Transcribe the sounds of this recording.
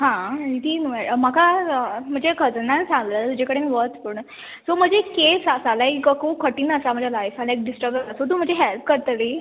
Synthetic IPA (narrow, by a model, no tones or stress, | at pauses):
ɦãit̪ʰinuamakʰam̤əɳd͡ʑekʰəd͡znãnsãŋɡləːt̪ud͡ʑekəɽemiːʋət̪pəɳ | som̤əd͡ʑekesasalakəkʰukʰəʈiːnəsam̤əd͡ʑʱalajfalaek̚ɖisʈəɾbəsasot̪̬uːm̤əd͡ʑeɦelp̚kəɾt̪əliː